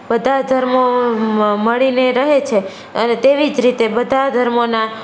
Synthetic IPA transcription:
bəd̪ʱad̪ʱəɾmo | məɭineɾəɦet͡ʃʰe | ənet̪eʋid͡ʒɾit̪ebəd̪ʱad̪ʱəɾmona

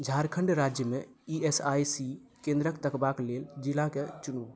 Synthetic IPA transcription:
d͡ʒʱaɾkʰəɳɖɾad͡ʒjəmeiesajsikẽnd̪ɾəkt̪əkbakleld͡ʒilaket͡ʃunu

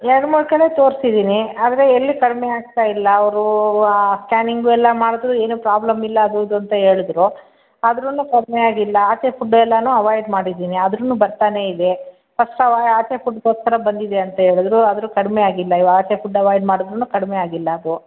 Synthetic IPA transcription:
ɛɾɐɽɐmuːɭkɐlet̪o̞ːɾsid̪iːniaːd̪ɐɾe̞ːlːikɐɽmeaːɡ̚t̪aːjilːɐːʋɾu | skʲaːniŋɡuɛlːɐmaːɽud̪ɾue̞ːnuːpɾaːblɐmilːɐːd̪ud̪uɐnt̪ɐɦe̞ːɭid̪ɾu | ɐd̪ɾɐnːukɐɽmeaːɡilːɐaːt͡ʃefuɖːɛlːɐnuːɐʋaːjɖmaːɽid̪iːniɐd̪ɾɐnːubɐɾt̪aːne̞id̪e̞ | pɐsʈɐʋaaːt͡ʃefuɖt̪oːɾskɐɾɐbɐnd̪id̪eɐnt̪ɐɦeːɭud̪ɾuɐd̪ɾukɐɽmeaːɡilːɐiʋɐɡaːt͡ʃefuɖːɐʋaːjɖmaːɽud̪ɾunːuːkɐɽmeaːɡilːɐːd̪u

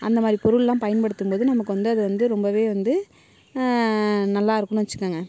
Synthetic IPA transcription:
ʔɐnd̪ɐmaːɾipɔɾɯɭlãːpɐjɐnpɐɽɯt̪ːɯmpoːðɯnɐmɐkːɯʋɐnd̪ɯɐðɯʋɐnd̪ɯɾɔmbɐʋeːʋɐnd̪ɯ | nɐlːaːɪɾɯkːɐɳʊ̃ʋɐt͡ʃːɯ̥kːaːŋɡɐ

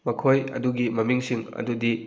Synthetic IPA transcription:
mɐkʰojɐ̰duɡimɐmiŋsiŋɐ̰dudi

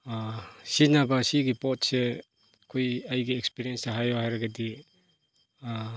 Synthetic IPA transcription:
asinabasiɡipɔtse | kʰujajɡiekspiɾijensaɦajɔhajɾaɡadi

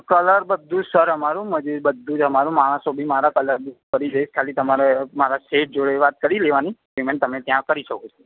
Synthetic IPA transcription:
kələɾbəd̪ʱːũd͡ʒsəɾəmaɾũməd͡ʒuɾbəd̪ʱːũd͡ʒəmaɾũmaɽ̃əsobʱimaɾakələɾbukəɾid͡ʒəiʃkʰalit̪əmaɾemaɾasef̚ʰd͡ʒoɭeʋat̪̚kəɾileʋani | imẽnt̪əmet̪jãkəɾiʃəkot͡ʃʰo

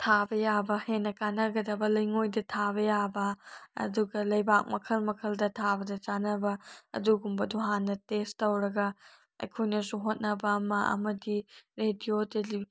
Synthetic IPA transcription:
tʰabɐjabɐhenːɐkanɐɡɐdɐbɐlɐjŋojdɐtʰabɐjabɐɐ̰duɡɐlɐjbak̚mɐkʰɐlmɐkʰɐldɐtʰabɐdɐt͡ʃanɐbɐɐ̰duɡumbɐduɦanːɐtestːɐwɾɐɡɐ | ɐ̰jkʰojnɐsuɦot̚nɐbɐːmɐɐ̰mɐdiɾedioteli

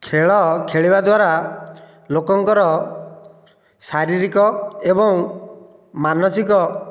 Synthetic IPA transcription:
kʰeɭɔkʰeɭibad̪waɾa | lokɔŋkɔɾɔ | saɾiɾikɔebɔŋ | manɔsikɔ

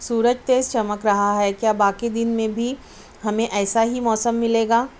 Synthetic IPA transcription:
suːɾəd͡ʒt̪eːzt͡ʃɐməkɾɐɦaɦɛkjaːbaːkid̪ɪnmẽbʱi | ɦɐmẽʔɛːsaɦimɔːsəmːɪleːɡaː

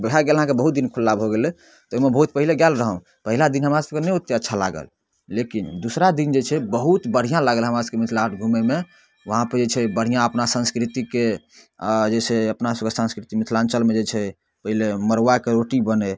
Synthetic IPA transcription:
bəɽaɡeləɦãkebəɦut̪̚d̪inkʰulːabʱoɡelɛ | t̪ɔomebəɦut̪̚pəɦileɡalɾəɦə̃ | pəɦilad̪inɦəmɾasəb̚kenɛut̪ːeətːʃʰala̰ɡə̰l | lekind̪usɾad̪ind͡ʒet͡ʃʰɛbəɦut̪bəɽ̤ijãlaɡlɦəmɾasəbkemit̪ʰlaʈʰɡʱumeme | ʋəɦãpəɾd͡ʒet͡ʃʰɛbəɽ̤ijãəpnasə̃nskɾit̪ike | d͡ʒeseəpnasəbkesə̃nskɾit̪imit̪ʰlãnt͡ʃəlmed͡ʒet͡ʃʰɛ | pəɦileməɾʋakeɾoʈibəne

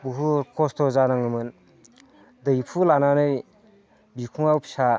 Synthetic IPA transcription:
buɦukʰɔstʰɔzanaŋɯmɯn | dɯjpʰulananɯj | bikʰuŋawpʰi̥sa

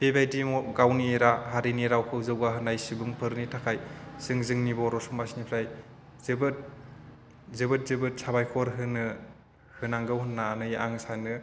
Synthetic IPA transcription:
b̥ebajdimɔɡawnieɾaɦaɾiniɾawkʰɯwzɯwɡaɦɯnajsibuŋpʰɯɾnitʰakʰajsɯŋzɯŋnibɔɾɔsumasnipʰɾaj | zɯbɯt̚ | zɯbɯt̚zɯbɯt̚sabajkʰɔɾɦɯnɯ | hɯnaŋɡɯwhɯnːaːnɯjʔaŋsanɯ

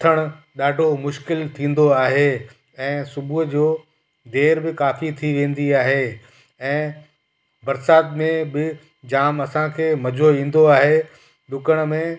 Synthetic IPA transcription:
t̪ʰəɽ̃ | ɗaːɖʱomʊʃkɪlt̪ʰĩːn̆d̪oaːɦe | ɛ̃ːsʊbʱuɦd͡ʑoː | d̪eːɾbɪkaːfit̪ʰiʋẽːn̆d̪iaːɦeː | ɛ̃ː | bɐɾsaːt̪mẽbɪ | d͡ʑaːmɐsãkʰeːmɐd͡ʑʱoĩːn̆d̪oaːɦe | ɗʊkəɽ̃mẽ

